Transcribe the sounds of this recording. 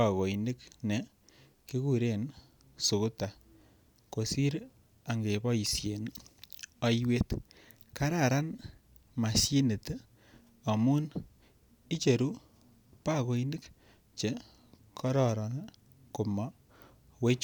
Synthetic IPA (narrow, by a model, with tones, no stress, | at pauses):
a˨ko˨inɪ˦kne˨ | ki˦ku˦˨ɾe˨n | su˨ku˦ta˨ | ko˨si˦ɾ | a˨ŋɡe˨bɔ˦i˨sje˨n | ɔ˦jwe˦t | ka˦ɾa˨ɾa˦n | ma˨si˦nɪ˨t | a˨mu˦n | i˦t͡ʃe˨ɾu˦ | pa˦ko˨inɪ˦k | t͡ʃe˨ | kʰɔ˦ɾɔ˨ɾɔ˨na˦ | ku˨ma˦ | we˦t͡ʃ